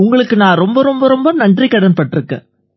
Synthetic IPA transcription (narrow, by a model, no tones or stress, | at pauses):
ʊŋɡɐɭɯkːɯnãːɾɔmbɐɾɔmbɐɾɔmbɐnɐɳɖrikːɐɽɐnpɐʈːɪɾɯkːḛ̃ː